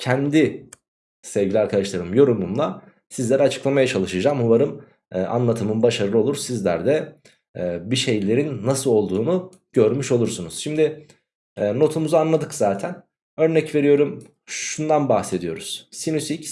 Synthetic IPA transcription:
cʰɛnd̪i | sevɟilʲiaɾkʰad̪aʃlˠaɾɯmjo̞ɾumumlˠa | sizlʲeɾɛat͡ʃʰɯ̥klˠamajat͡ʃʰalˠɯʃɯd͡ʒaːmhuvaɾɯmː | ʔa̰nlˠat̪ʰɯmɯnbaʃaɾɯlˠɯo̞lˠuɾsizlʲæ̰ɾd̪ɛː | biʃe̞jlʲe̞ɾinːasɯlˠo̞lˠd̪uːnu | ɟ̥ø̞ɾmyʃo̞lˠuɾsunuz̥ʃimd̪ɪː | no̞t̪ʰumuzaanlˠad̪ɯkz̥aːt̪ʰæn | ø̞ɾnɛcve̞ɾijo̞ɾum | ʃund̪anbaxse̞d̪ijo̞ɾuz̥sinusic̪

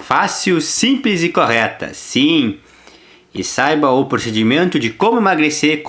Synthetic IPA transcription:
fasiwsĩplɪzɪkoɦɛt̪ɐ̰sĩ | ɪsajbɐʊpɾosed͡ʒimẽnt̪ʊd͡ʒɪkõmʊemaɡɾeseɾk

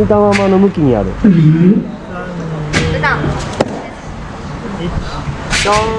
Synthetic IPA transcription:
it̪amãmanomɯ̟kʲiɲia̰ɾɯ̟ | t̪a

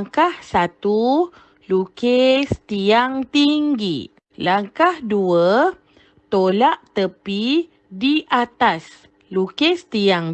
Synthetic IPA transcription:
ŋkahsat̪u | lukest̪iaŋt̪iŋɡi | laŋkahduə | t̪olaʔt̪əpi | diʔat̪as | lukest̪iaŋ

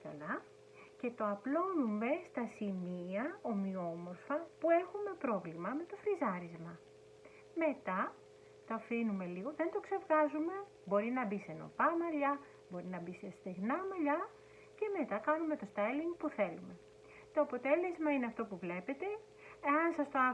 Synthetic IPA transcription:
kɐlɐ | ce̞t̪o̞ɐplo̞nume̞st̪ɐsimiɐo̞mio̞mo̞ɾfɐpue̞xume̞pɾo̞vlimɐme̞t̪o̞fɾizɐɾizmɐ | me̞t̪ɐ | t̪oɐfinume̞liɣo̞ðe̞nd̪o̞kse̞vɣɐzume̞ | bo̞ɾinɐbiseno̞̰pɐmɐʎɐ | bo̞ɾinɐbisest̪eɣnɐmɐʎɐ | ce̞me̞t̪ɐkɐnume̞t̪o̞st̪ɐliŋpuθe̞lume̞ | t̪o̞ɐpo̞t̪e̞le̞zmɐineɐft̪o̞puvle̞pe̞t̪e̞ | eɐnsɐst̪oɐ

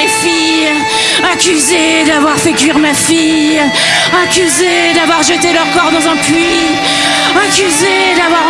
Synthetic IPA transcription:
efij | akʲyze | d̪avwaʁfɛkɥiʁmafij | akʲyze | d̪avwaʁʒət̪elœʁkɔʁd̪ɑ̃zɛ̃pɥi | akʲyze | d̪avwaʁ

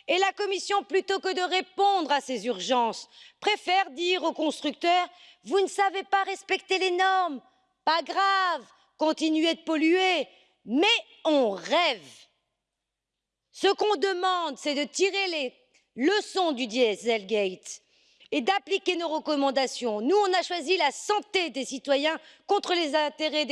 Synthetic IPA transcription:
elakɔmisjɔ̃plyt̪okəd̪əʁepɔ̃d̪ʁasezyʁʒɑ̃spχefɛʁd̪iʁokɔ̃st̪χyk̚t̪œʁ | vunəsavepaʁɛspɛkt̪elenɔʁm | paɡʁav | kɔ̃t̪inyed̪əpɔlye | mɛ | ɔ̃ʁɛv | səkɔ̃d̪əmɑ̃d̪sɛd̪ət̪iʁele | ləsɔ̃d̪yd̪iɛsɛlɡʲɛjt̪ | ed̪aplikʲenoʁəkɔmɑ̃d̪asjɔ̃nuɔ̃naʃwazilasɑ̃t̪ed̪esit̪wajɛ̃kɔ̃t̪χəlezɛ̃t̪eʁed̪

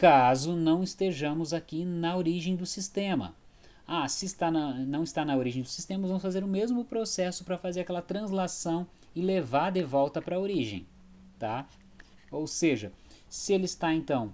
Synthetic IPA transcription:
kazʊnɐ̃w̃ɪst̪eʒɐ̃mʊzakinɐoɾiʒẽj̃d̪ʊsist̪ẽmɐ̰ | asɪːst̪anɐnɐ̃w̃ɪst̪anɐoɾiʒẽj̃d̪ʊsist̪ẽmɐʊzvɐ̃mʊsfazeɾʊmezmʊpɾosɛsʊpɾɐfazeɾakɛlɐt̪ɾɐ̃zlasɐ̃w̃ | ɪlevaɾd̪evɔwt̪ɐpɾɐoɾiʒḛ̃j̃ | t̪a | owseʒɐsɪelɪst̪aẽnt̪ɐ̃w̃

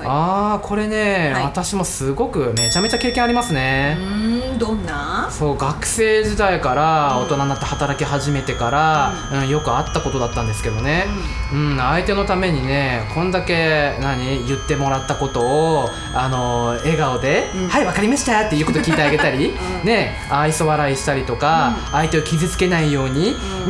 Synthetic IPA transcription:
akʰo̞ɾe̞ne̞βat̪aɕimo̞sɨɡo̞kɯ̟me̞t͡ɕame̞t͡ɕake̞ːkẽaɾʲimasɨne̞ | d̪nːaso̞ːɡakɯ̟̥se̞ːʑid̪aikaɾao̞t̪o̞nanat̪ːehat̪aɾakʲiɦaʑime̞t̪e̞kaɾa | ɯ̟̃ɴjo̞kɯ̟at̪ːako̞t̪o̞d̪at̪ːãnd̪esɨ̥ke̞d̪o̞ne̞ɯ̟̃ɴait̪e̞no̞t̪ame̞ɲ̟ine̞kʰõ̞nd̪ake̞naɲ̟ijɯ̟t̪ːe̞mo̞ɾat̪ːako̞t̪o̞ː | ano̞e̞ɡaod̪e̞haiβakaɾʲimaɕi̥t̪at̪ːe̞iɯ̟kot̪okʲiːt̪eaɡe̞t̪aɾʲi | ne̞ | aiso̞βaɾaiɕi̥t̪aɾʲit̪o̞kaː | it̪e̞okʲizɨt͡sɨ̥ke̞naijo̞ːɲ̟i

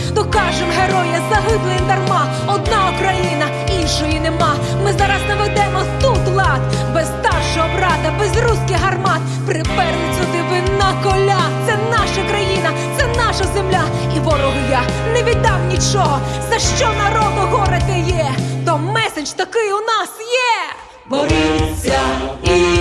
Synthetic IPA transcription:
nɔkɑʒɪmɦeɾɔjɐzɐɦɪd̪lˠejɛd̪ɐrmɑ | ɔd̪nɑɔkɾɐjinɐ | inʲʃɔjinemɑ | mɪzɑɾɐznɐʋed̪ɛmɔt̪ut̪lˠɑt̪ | bɛsst̪ɑrʃɔɦɔbrɑd̪ɐbɛzruskɪɦɐrmɑt̪ | pɾɪpɛrnɪt͡sʲʊd̪ɪʋɪnakɔlʲat̪sɛnɑʃɐkɾɐjinɐ | t̪sɛnɑʃɐzemlʲa | iʋɔɾɔɦʊja | neʋʲid̪ɑwnʲit͡ʃɔɦɔzɐʃt͡ʃɔnɐɾɔd̪ʊɦɔɾɪt̪ɛjɛt̪ɔmɛsed͡ʒt̪ɐkɪjʊnɑsjɛ | bɔɾʲɐ

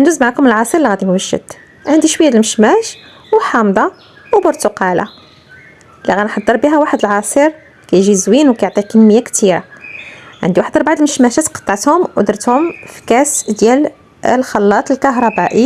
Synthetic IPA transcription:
ʔənd̪uzmʕakʊməlʕɑsˤiɾliɣæd̪imwæʒːə̰d̪ | ʕənd̪iʃwəjːæd̪lməʃmæʃ | wħɑmd̪ˤɑ | wbʊɾt̪uqɑla̰ | liɣænħɑd̪ˤːəɾˤbiɦæwaħəd̪əlʕɑsˤiɾ | kæjʒizwinwkæjoʕt̪ˤikənːəjːakt̪iɾa̰ | ʕənd̪iwaħd̪əɾbaʕd̪əlməʃmæʃæt̪qɑ̥t̪ˤːɑʕət̪hʊmʔʊd̪ɾət̪hʊmfi̥kæsd̪jæl | lxɑlːɑt̪ˤəlkɑɦɾˤɑbæʔi

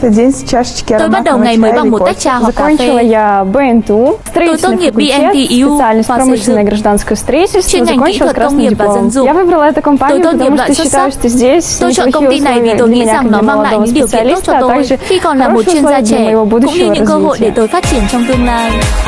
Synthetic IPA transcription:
t̪ədʲenʲst͡ɕaʂt͡ɕkʲɪmɓat̚ɗwŋajməːamoaj̚zzɐkonʲt͡ɕɪlˠəjabɛɛnt̪ust̪ɾɐvitʲɪnːkulʲet̪sɪsɨalʲnɨjspɾomɨɕlʲɪnəjəɡɾɐʐd̪anskəjəfst̪ɾɐitʲɪlʲst̪vozɐkonʲt͡ɕɪlˠəkɾasnɨjdɪlˠomjavɨbɾəlˠəɛt̪ʊkɐmpanɪjʊpət̪ɐmuʂtt̪ːɕːɪt̪ajjʊʂt̪ozʲdʲesʲsˠxiovʲilʲmʲɪnɲʲakɐɡməlˠɐd̪ovəspɪsɨɐlʲistət̪aɡʐɨikɔnaɾoɨjʊlˠoviməjɪvobud̪ṵɕːɪvəɨɾɐzvəɦo̰et̪ojfaːt̚t͡ɕiənt͡ɕɔwmma

